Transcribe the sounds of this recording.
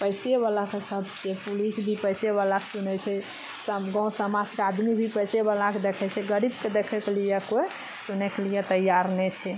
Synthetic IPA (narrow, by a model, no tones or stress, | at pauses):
pəjseβalakesəbʱt͡ʃʰɛpulisbʱipəjseβalakesunɛt͡ʃʰɛ | səɡɔ̃səmad͡ʒkead̪mibʱipəjseβalaked̪ekʰɛt͡ʃʰɛɡəɾibked̪ekʰɛkelijekoe | sunɛkelijet̪əjaɾnɛt͡ʃʰɛ